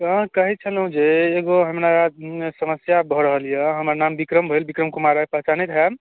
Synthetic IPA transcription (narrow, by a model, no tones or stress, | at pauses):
kəɦit͡ʃʰəlɦũd͡ʒeːɡoɦəmnasəməsjabʱɔɾəɦəlijəɦəmɾnambikɾəmbʱəjlbikɾəmkumaɾapəɦt͡ʃanit̪ɦɛm